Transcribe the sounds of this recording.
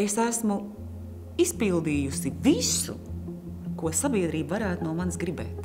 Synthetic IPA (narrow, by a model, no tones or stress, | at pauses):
esæsmu | ispilˠd̪iːjusivisṵ | kuɔsabiɛd̪ɾiːbvaɾæːt̪unuɔmansɡɾibɛ̰ːt̪